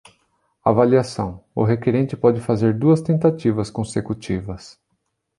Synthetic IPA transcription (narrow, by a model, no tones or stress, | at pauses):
a̰valiasɐ̃w̃ʊ̰ɦekeɾẽnt͡ʃɪpɔd͡ʒɪfazeɾd̪uɐst̪ẽnt̪at͡ʃivɐskõsekut͡ʃivɐs